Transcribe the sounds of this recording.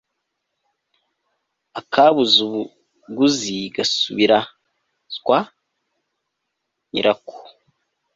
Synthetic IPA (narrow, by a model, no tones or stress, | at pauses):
akʰaβuzu | ɡuziɡasuβiɾa | zkwa | ɲḭɾʔako̥